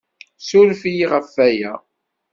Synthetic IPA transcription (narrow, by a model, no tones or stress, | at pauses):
sulfijiʁəfːæjæ